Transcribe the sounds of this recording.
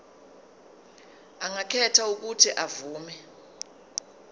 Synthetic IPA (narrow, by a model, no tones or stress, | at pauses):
aŋakʰɛtʰauk̬utʰiʔavuːmɛ